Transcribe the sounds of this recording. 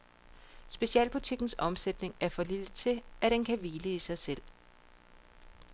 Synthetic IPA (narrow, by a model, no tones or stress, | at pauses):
sb̥e̝ɕiɛ̰ːlb̥ut͡sʰiɡ̥n̩sɒ̽msed̥ne̝ŋæɐfɒ̽lilət͡sʰe̝ʔæɾ̥enkʰæʋiːləisɑ̈ɪsel̰